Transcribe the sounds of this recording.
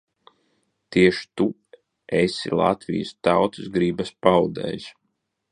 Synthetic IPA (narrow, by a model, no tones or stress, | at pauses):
t̪iɛʃi̥t̪u | esḭlˠa̰t̪vḭjɨst̪awt̪uzɡɾiːbaspawd̪ɛ̰ːjs